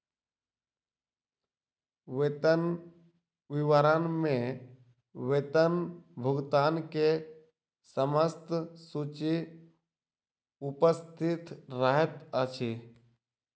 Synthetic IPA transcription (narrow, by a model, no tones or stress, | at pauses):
ʋet̪ən | ʋɪʋəɾənmẽ | ʋet̪ənbʱʊɡt̪aːnke | səməst̪sut͡ʃi | ʊpəst̪ʰɪt̪ɾəɦət̪ət͡ʃʰi